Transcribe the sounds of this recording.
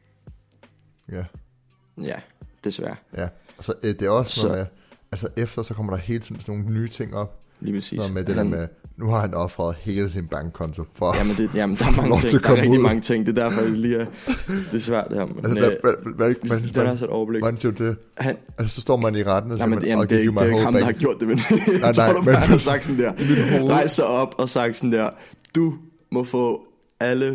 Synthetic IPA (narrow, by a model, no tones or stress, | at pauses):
jæ | jæd̥e̝sʋæɐjæsɒʔd̥e̝æɒ̽snɔðˠme | ælsɐʔefd̥ɐsɒ̽kʰɒ̽m̰ɐɾ̥ɑ̈he̝ːld̥siðˠn̩sno̝ːn̩nyːt͡sʰe̝ŋ̰ɒ̽b̥lḭːpʰʁɛsḭːnɔð̩ˠmed̥e̝d̥eɐɐmenuhɑ̈hænɒ̥̽fʁɑːð̩ˠhe̝ːləsʰinb̥ɑ̈ŋɡ̥kʰɒ̽nt͡sʰo̝fɒæmənd̥ejæmnd̥ɑ̈ɐmɑ̈ŋɒ̥ekɒmʁɛɡ̥̚u̥iðmˠɑ̈ŋət͡sʰeŋ̰d̥e̝d̥æɐfɒliːæd̥e̝sʋæɐ̰d̥eɑmeælsənæʋæʋæeɡ̥ænæsɔed̥ɒʊɐbleɡhænsḭɐdd̥e̝ | hæn | æsəsɒ̽sd̥ɒ̰ːmæniʁad̥n̩sɒsiɐmmækeimɑɔhɑmd̥ɑhɑ̈ɡ̥jo̝ɐ̰d̥emennɪɑɪmensɑ̈ɡ̥̚sn̩d̥æɐ̰lioːʁɑ̈ɪssɑɪɒ̽b̥ɒ̽sɑ̈ɡ̥̚d̥sɔn̩d̥eɐ̰d̥u | mɔ̽fɔ̰̽ː | ælə